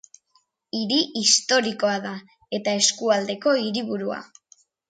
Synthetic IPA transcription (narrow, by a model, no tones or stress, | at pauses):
iɾiist̪o̞ɾiko̞aða | e̞t̪ae̞skuald̪e̞ko̞iɾiβuɾua̰